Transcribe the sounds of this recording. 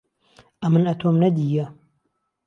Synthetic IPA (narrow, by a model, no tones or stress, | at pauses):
ʔɐmɨnɐt̪ʰoːmnɐd̪ijɐ